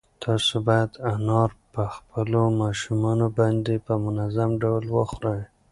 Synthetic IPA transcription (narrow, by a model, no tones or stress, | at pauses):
t̪ʰɑsobɑjad̪anɑɾpəxpəlomɑʃumɑnobɑnd̪epəmʊnazamɖawlwəxɾəj